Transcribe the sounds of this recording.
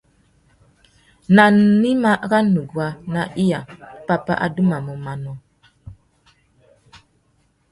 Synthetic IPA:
na˨ni˦ma˦ɣa˦nu˨ɡwa˨na˨ʔi˦ja˨pa˨pa̰˦ʔa̰˨du˦ma˨mə˨ma˨nɔ˨

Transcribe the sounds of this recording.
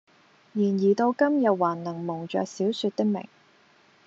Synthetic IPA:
jiː˨˩njiː˨˩t̪o˧wkɐ˥mjɐ˨t̚waː˨˩nlɐ˨˩ŋmʊ˨˩ŋt͡ʃœ̰ː˨k̚siː˨˥wsy˧t̚t̪ɪ˥k̚mɪ̰˨˩ŋ

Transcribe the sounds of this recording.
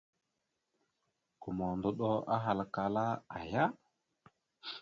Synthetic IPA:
ku˨mo˨ndu˨ɗo˦a˦ɦa˨lka˨la˦a˨ja˦

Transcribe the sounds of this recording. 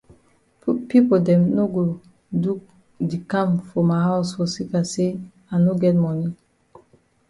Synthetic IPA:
pi˦podɛ̃˨mno˦ɡo˨ | du˦ | di˨kãmfɔ˨maɦaʊsfɔ˨si˦kase | a˨no˦ɡɛt̚mɔni

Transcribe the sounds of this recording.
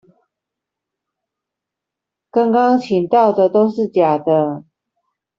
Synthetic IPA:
kɑ˥ŋkɑ˦ŋt͡ɕʰi˨˩ŋt̪ɑ˥˩ʊd̪ə˨˩t̪o˥ʊʂɻ̩˥˨t͡ɕja˨˩d̪ə˦

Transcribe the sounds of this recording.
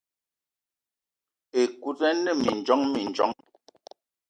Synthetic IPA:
e˨ku˦tɛ˦nə˦˨mi˨n˨d͡ʒɔ˨˦ŋmi˨n˨d͡ʒɔ̰˨˦ŋ

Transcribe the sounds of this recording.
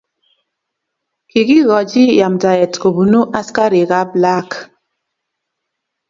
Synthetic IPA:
ki˨ɣi˦ɣɔ˨d͡ʒi˦ja˨mda˨jɛ˨tko˨bu˨nu˦ʔa˦ska˦ɾi˨ɣa˦bla˦k

